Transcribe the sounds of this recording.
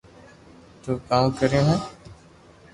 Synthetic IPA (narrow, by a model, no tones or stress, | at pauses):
t̪uːkãːmkəɾẽɦɛ̃ː